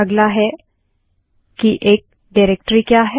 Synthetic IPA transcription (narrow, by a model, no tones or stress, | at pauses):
ɐɡlaɦɛ | kiʔeːk̚ | ɖaːɾeːk̚ʈɾikjaːɦɛ